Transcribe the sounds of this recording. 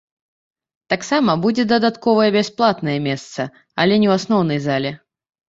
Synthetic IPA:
t̪aksamɐbud͡zʲɛd̪ɐd̪at̪kɔvɐjɛbʲɛsplˠat̪nɐjɛmʲɛst̪sɐ | ɐlʲɛnʲɛwasnɔwnɐjzalʲɛ

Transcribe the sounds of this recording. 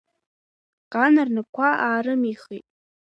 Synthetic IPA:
qʼanarnɨkʷʰaʔaːɾɨmiχitʼ

